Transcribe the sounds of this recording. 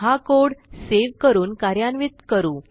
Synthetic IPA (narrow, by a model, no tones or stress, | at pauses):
ɦakoɽseʋkəɾuːnkaɾjanʋit̪kəɾuː